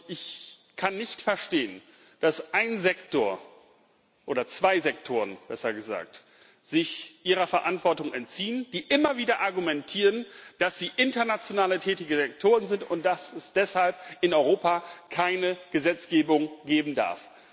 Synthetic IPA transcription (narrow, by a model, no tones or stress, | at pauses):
ʔɪç | kʰanːɪçtfɛɐʃteːən | d̥asʔaɪnzɛktoːɐ | ʔoːdɐt͡sv̥aɪzɛktʰoːʁənb̥ɛsɐɡəza̰ːk̚t | z̥ɪçʔiːʁ̞ɐfɛɐʔantv̥ɔɐtʊŋɛntt͡siːənd̥iːʔɪmɐviːdɐʔaɐɡumɛntʰiːʁənd̥asz̥iːʔɪntɐnat͡sjonaːlətʰɛːtɪɡəzɛktʰoːʁənzɪntʊnt̚d̥asɛsd̥ɛshalp̚ɪnɔʏʁoːpakʰaɪnəɡ̥əzɛt͡sɡ̥eːbʊŋɡeːbm̩da̰ɐf